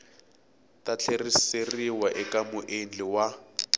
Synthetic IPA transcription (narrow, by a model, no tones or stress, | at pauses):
tʼat͡ɬʰeriseriwaʔɛkamʊʔend͡ɮiwa